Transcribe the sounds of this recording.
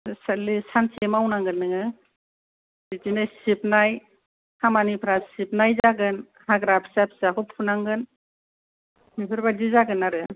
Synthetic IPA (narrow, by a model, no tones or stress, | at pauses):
salisansemawnaŋɡɯnːɯŋɯ | zitinɯsip̚naj | hamanipʰɾasip̚najzaɡɯn | haɡɾapʰsapʰsakʰɔpʰunaŋɡɯn | mipʰɯɾbadizaɡɯnaɾɯ